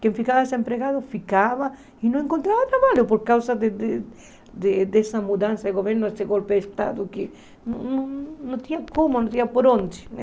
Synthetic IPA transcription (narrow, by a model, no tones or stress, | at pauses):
kẽɱfikaβaesempɾeɣaðʊfikaβa | inõŋẽŋkont̪ɾaβat̪ɾaβaʎʊpoɾkawsaðed̪e | d̪ed̪esamuðansaðeɣoβeɾnʊest̪eɣolpeest̪a̰ðʊkɪ | nõnõnõnt̪iɲakomonõnt̪iɲapoɾond͡ʒ̪ɪ̥n